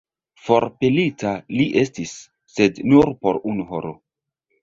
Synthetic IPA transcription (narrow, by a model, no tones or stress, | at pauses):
foɾpelitaliʔe̞stisː | e̞dnuɾpo̞ɾunuɦoɾo